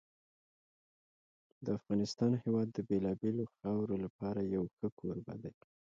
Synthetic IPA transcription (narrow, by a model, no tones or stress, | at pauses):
d̪əafɣɑnɪst̪ɑnhewɑd̪ːəbelɑbeloxawɾolapɑɾajawxəkʰoɾba̰d̪aj